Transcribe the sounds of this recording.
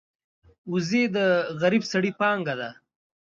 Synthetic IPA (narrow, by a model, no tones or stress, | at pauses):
uzed̪əɣaɾibsaɽipɑːŋɡad̪a